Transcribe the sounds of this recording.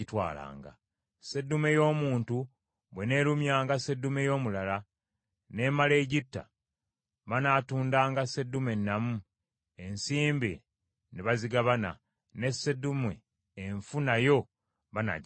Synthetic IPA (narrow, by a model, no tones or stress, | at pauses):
itwa̰ːla̰ːŋɡa̰ | se̞dːumejo̞ːmuːntu | βwe̞ne̞ɾumjaːŋɡase̞dːumejo̞ːmulala | ne̞male̞ɟitːa̰ | βanaːtuːndaːŋɡase̞dːume̞nːamu | e̞nsiːmbi | neβaziɡaβana̰ | ne̞sedumwe | eɱfunajo̞ | βana̰ɟ